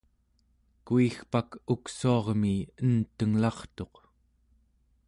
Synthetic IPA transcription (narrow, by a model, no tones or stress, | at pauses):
kuixpakuksuɑʁmiənt̪əŋlɑχt̪o̞q